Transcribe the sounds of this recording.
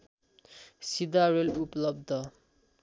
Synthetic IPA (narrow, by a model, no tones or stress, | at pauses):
sid̪aɾeluplʌb̚d̪ʱʌ